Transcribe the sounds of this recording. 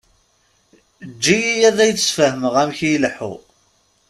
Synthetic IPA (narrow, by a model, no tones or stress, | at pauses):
d͡ʒːijijæðæjt͡sːsfəhəməʁæmçilħṵ